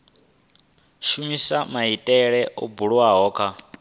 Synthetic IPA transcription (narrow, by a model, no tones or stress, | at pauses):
ʃumisamaɦitʼɛɺɛʔubuɺuwaɦɔːkʰa